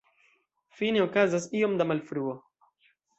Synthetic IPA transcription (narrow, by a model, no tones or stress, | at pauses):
fineokazasiomd̪amalfɾuo